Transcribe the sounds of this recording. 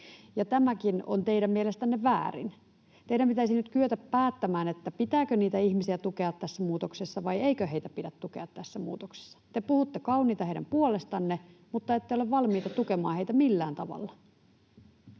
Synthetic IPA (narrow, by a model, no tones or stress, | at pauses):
jɑt̪æmækino̰nt̪eiɾæmmielest̪ænːeʋæ̰ːrḭn | t̪eiɾæmpit̪æisinyt̪kyøt̪æppæːt̪ːæmæːnet̪ːæpit̪æːkøniːt̪æiçmisiæt̪ukeɑt̪ːæsːæmuːt̪oksesːɑʋɑjeikøɦe̞it̪æpidæt̪t̪ːukeɑt̪t̪æsːæmṵːt̪okse̥sːɑ̥t̪epuhut̪ːekɑwniːt̪ɑhejdæ̰mpuole̞st̪ɑnːemut̪ːɑet̪ːejoleʋʋɑlmiːt̪ɑt̪ukemɑːheit̪æmilːæːnt̪ɑʋɑ̰lːɑ